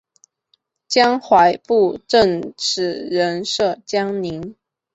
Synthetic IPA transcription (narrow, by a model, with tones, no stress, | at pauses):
t͡ɕjɑ˥ŋxwa˧˥ɪpu˥˩ʈ͡ʂə˥˩ŋʈ͡ʂ̩ʰ˨˥˦ɻə˧˦˥nʂɤ˥˩t͡ɕjɑ˥ŋni˧˥n